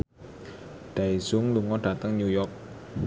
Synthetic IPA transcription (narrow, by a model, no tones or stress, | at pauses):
d̪̥aisuŋluŋɔɖ̥ä̤t̪əŋɲujɔk̚